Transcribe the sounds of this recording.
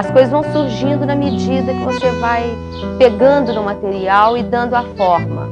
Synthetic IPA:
ɐskojzɐzvɐ̃w̃suɾʒĩnd̪ʊnɐmed͡ʒid̪ɐkɪvosevaj | peɡɐ̃nd̪ʊnʊmat̪eɾiawɪd̪ɐ̃nd̪ʊafɔɾmɐ̰

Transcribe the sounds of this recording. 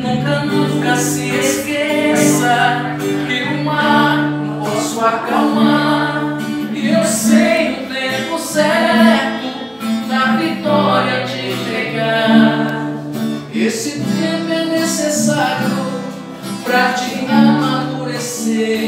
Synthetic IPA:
nũkɐnũkɐsɪeskesɐ | teumaɾ | pɔsuakawmaɾ | iewsejʊd̪ezmʊsɛt̪ʊ | nɐvit̪ɔɾiɐd͡ʒɪ̃t̪ɾeɡaɾ | esɪẽmɛnesesaɾiʊ | pɾɐt͡ʃiamad̪uɾese

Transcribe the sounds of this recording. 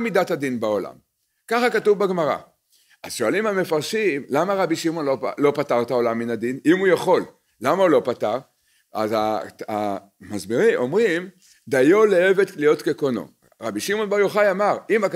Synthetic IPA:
midathad̪inbao̞la̰m | kaχakatuvbaɡmaʁa̰ | azʃoalimame̞faʁʃimlamaʁabiʃimo̞nlolo̞pataʁt̪ao̞lamːinad̪inimujaχo̞lː | amaulo̞pataʁ | a̰zaa | mazbiʁimʔo̞mʁim | d̪ajo̞leevet̪lijo̞tkekono̞̰ | ʁabiʃimo̞nbaʁjoχajamaʁimak

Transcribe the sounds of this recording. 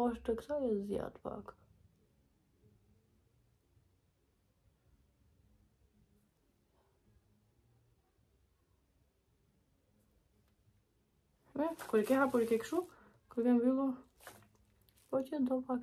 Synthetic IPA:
ɔʃt̪əksajɛzja̰t̪pa̰k | vɛkuɾɛkɛhapuɾikɛkʃu | kuɾkɛmvilˠɔ | pɔcəd̪ɔpak

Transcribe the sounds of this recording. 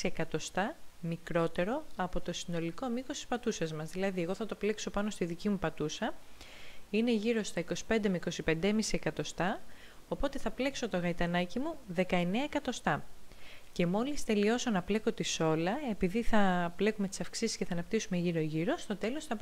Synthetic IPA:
iekɐt̪o̞st̪ɐmikɾo̞t̪e̞ɾo̞ɐpo̞t̪o̞sino̞liko̞miko̞si̥spɐt̪usɐzmɐzðilɐðie̞ɣo̞θɐt̪o̞ple̞kso̞pɐno̞st̪iðicimupɐt̪usɐ | ine̞ʝiɾo̞st̪ɐiko̞si̥pe̞nd̪emeiko̞sipe̞nd̪emisiekɐt̪o̞st̪ɐ | o̞po̞t̪e̞θɐple̞kso̞t̪o̞ɣɐit̪ɐnɐcimuðe̞kɐe̞neɐekɐt̪o̞st̪ɐ | ce̞mo̞list̪e̞lio̞so̞nɐple̞ko̞t̪iso̞lɐe̞piðiθɐple̞kumet̪i̥sɐfksisisceθɐːnɐpt̪isume̞ʝiɾoʝiɾo̞st̪o̞t̪e̞lo̞sθɐpɾ

